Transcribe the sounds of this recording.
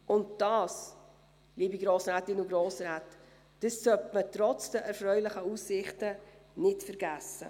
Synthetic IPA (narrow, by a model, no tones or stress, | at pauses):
ʔʊntd̥ɑːs | liːbiɡɾoːsɾaːtɪnuɡɾoːsɾaːt | d̥əsːœtmətɾɔt͡sd̥əʔɛɾfɾœʏlɪχəuːsːɪχtənɪtfəɾɡæsːə̰